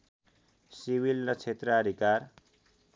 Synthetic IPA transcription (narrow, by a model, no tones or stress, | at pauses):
siwilɾʌt͡sʰet̪rʌad̪ʱikaɾ